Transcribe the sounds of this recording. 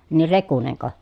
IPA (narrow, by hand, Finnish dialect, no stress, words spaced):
nir rekuneŋko